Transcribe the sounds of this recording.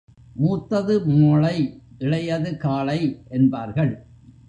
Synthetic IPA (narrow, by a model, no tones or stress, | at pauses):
muːt̪ːɐðɯmoːɭɐɪʔɪɭɐjɐðɯkaːɭɐɪʔɛnbaːɾɣɐɭ